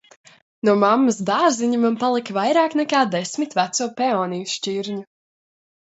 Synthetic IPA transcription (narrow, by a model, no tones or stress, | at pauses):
nuɔmamːɐs̬d̪aːziɲumanpalˠikvajɾaːknɛkaːd̪esmit̪væt̪suɔpɛɔːnijusʃt͡ʃiɾɲu